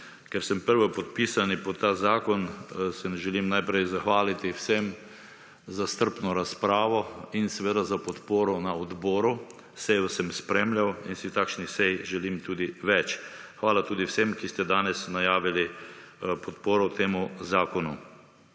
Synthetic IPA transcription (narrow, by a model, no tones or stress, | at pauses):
kɛɾsɛmpəɾʋɔpɔt̪̚piːsanipɔt̪ːaːzaːkɔnsɛnɛʒɛlimnajpɾɛjzaxʋaːlit̪iwsem | zast̪əɾpnɔɾaspɾaːʋɔinsɛʋeːd̪azapɔt̪poːɾɔnaɔd̪bɔːɾu | sɛjɔsɛmspɾemljawinsit̪akʃnisɛjʒɛlimt̪uːd̪iʋɛt͡ʃxʋaːlat̪uːd̪iwsemkist̪ɛd̪aːnɛsnajaːʋili | pɔt̪poːɾɔt̪ʰeːmuzaːkɔnṵ